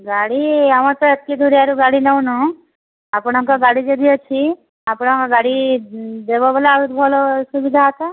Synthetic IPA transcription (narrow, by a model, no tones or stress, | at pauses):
ɡaɽiaʋãt̪ɔətkid̪ʱuɾjaɾuɡaɽinəũnũ | apɽ̃aŋkaɡaɽid͡ʒed̪ijot͡ʃʰi | apɽ̃kaɡaɽid̪ebobəlaut̪bʱɔlosubid̪ʱaɦət̪a